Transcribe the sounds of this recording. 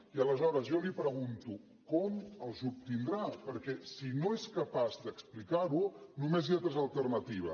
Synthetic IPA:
iələzɔɾəzjɔlipɾəɣunt̪u | kɔməlˠzup̚t̪ind̪ɾapəɾkɛsinoɛskəpazd̪əksplikaɾunumezat̪ɾezəlˠt̪ərnət̪iβ̞ə̰

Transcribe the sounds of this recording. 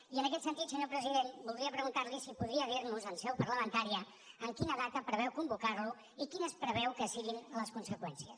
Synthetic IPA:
iənəkɛt̪sənt̪it̪səɲopɾəziðenbulˠd̪ɾiəpɾəɣunt̪aɾlisipuðɾiəðiɾnuzənsɛwpəɾləmənt̪aɾiəː | ŋkinəðat̪əpɾəβɛwkumbukaɾlu | ikinəspɾəβɛwkəsiɣinləskunsəkwɛnsiəs

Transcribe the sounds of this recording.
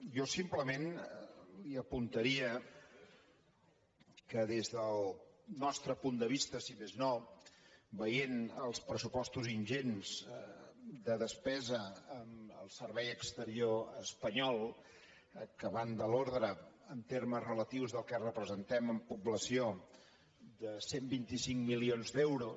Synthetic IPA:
jɔsimpləmen | liəpunt̪əɾiə | kəðezðəlˠnɔst̪ɾəpund̪əβ̞ist̪əsimezno | βəjenəlˠspɾəsupɔst̪uzinʲʒenz̥ | d̪əðəspɛzəəmə̰lˠsərβɛjəkst̪əɾioəspəɲɔlˠ | kəβand̪əloɾðɾəənt̪erməzrələt̪iwzðəlˠkɛrəpɾəzənt̪ɛməmpubləsio | d̪əsembint̪isiŋmilionzd̪ewɾu

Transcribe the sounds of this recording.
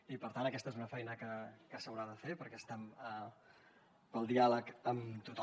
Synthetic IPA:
ipəɾt̪anəkɛst̪əezunəfɛjnəkəkəsəwɾaðəfepəɾkɛəst̪ɛmə | pəlˠd̪ialəkəmt̪ut̪

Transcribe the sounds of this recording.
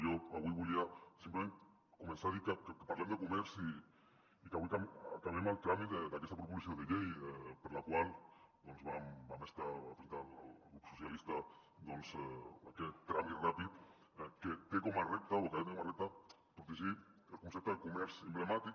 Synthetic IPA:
joaβwiβuʎiasimplemẽn | kumẽnsaðikakekepaɾlemd̪ekumɛɾsiː | kaβuikamk̪aβɛmalt̪ɾamied̪akɛst̪apɾupulisioðeʎejɛpəɾlakwald̪onzβambamest̪aafɾint̪ala̰la̰lɣɾupsusjalist̪a | d̪onza̰kɛt̪ːɾamit̪rapit̪̚ | ɛket̪ekomarɛp̚t̪aokaβenekomarɛp̚t̪a | pɾut̪uʒielkunsep̚t̪aðekumɛɾsemblemat̪ik

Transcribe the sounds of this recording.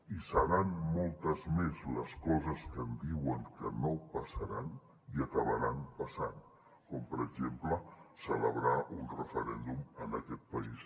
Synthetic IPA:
isəɾanmɔlˠt̪əzmezləskɔzəskənd̪iwəŋkənopəsəɾan | iəkəβəɾanpəsan | kɔmpəɾəɡʒempləsələβɾaunrəfəɾɛnd̪umənəkɛt̪̚pəis

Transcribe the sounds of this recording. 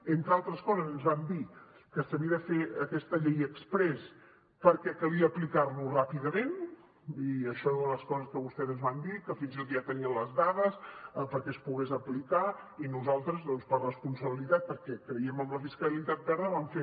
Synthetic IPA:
ent̪ɾəalˠt̪ɾəskɔzəzənzβamd̪i | kəsəβiəðəfeəkɛst̪əʎejəkspɾɛs | pəɾkɛkəliəːplikaɾnurapiðəmen | iəʃɔuələskɔzəskəβust̪ɛzənzβand̪ikəfinzit̪ot̪ʒat̪əniənləzðaðəsəpəɾkɛəspuɣezəplikainuzalˠt̪ɾəzðɔnspərəspunsəβilit̪at̪̚pəɾkɛkɾəiəməmləfiskəlit̪at̪̚bɛɾðəβaɱfe

